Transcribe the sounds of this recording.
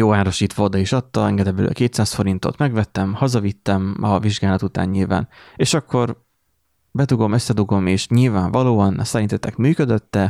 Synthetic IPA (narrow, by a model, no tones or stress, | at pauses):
joːaːɾo̞ʃiːt̪ʋɒod̪ɒiʃɒt̪ːɒɛŋɡɛd̪ɛbølø̰keːt̪saːsfo̞ɾint̪o̞̰t̪mɛɡvɛt̪ːɛmhɒzɒvit̪ːɛmɒviʒɡaːlɒt̪ut̪a̰ːɲɲilva̰ːneːʃɒkːo̞r | bɛt̪uɡo̞mø̞sːɛd̪uɡo̞meːʃɲilvaːɱvɒloːɒnɒsɛɾint̪ɛt̪ːɛkmyːkød̪ø̞t̪ːɛ